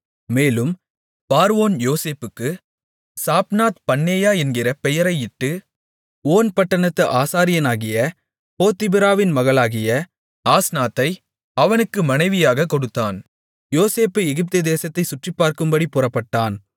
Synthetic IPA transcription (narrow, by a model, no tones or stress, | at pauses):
meːlɯm | paːɾɯoːnjoːseːpɯkːɯ | saːpnaːt̪pɐnːeːjaːɛnɡɪrɐpɛjɐɾɐɪɪʈːɯ | oːnpɐʈːɐnɐt̪ːɐʔaːsaːɾɪjɐnaːɣɪjɐ | poːt̪ːɪbɪɾaːʋɪnmɐɣɐɭaːɣɪjɐ | aːsnaːt̪ːɐɪ | ɐʋɐnɯkːɯmɐnɐɪʋɪjaːɣɐkːɔɽɯt̪ːaːn | joːseːpːɯɛɣɪp̚t̪ɯd̪eːsɐt̪ːɐɪsʊʈripːaːɾkɯmbɐɽipʊrɐpːɐʈːaːn